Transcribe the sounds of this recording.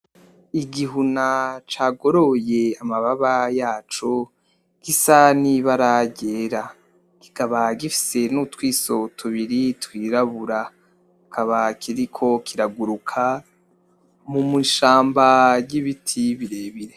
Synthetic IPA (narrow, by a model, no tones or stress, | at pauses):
iɡiɦunat͡ʃaːɡo̞ɾojeamaβaβajaːt͡ʃo | ɡ̥isaniβaɾaɟeɾa | ɡ̥i̥ɡaβaɡifi̥se̞nutwiːso̞tʰuβiɾitwiːɾaβuɾa | kʰaβakʰiɾikʰo̞kʰiɾaɡuɾukʰa | mumuʃaːmbajiβitʰiβiɾeːβiɾe